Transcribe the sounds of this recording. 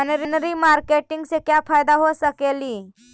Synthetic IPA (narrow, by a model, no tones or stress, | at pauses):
nɾinɾiːmaɾkeʈiŋɡsekjafajd̪aɦosəkeliː